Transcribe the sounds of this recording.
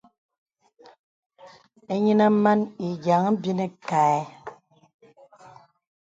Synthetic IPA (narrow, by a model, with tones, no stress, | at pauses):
e˦ɲi˦na˦m̩˦ma˦ni˨ɡa˨ŋ˦m̩˦bi˦ne˦ka˨ɛ˨˦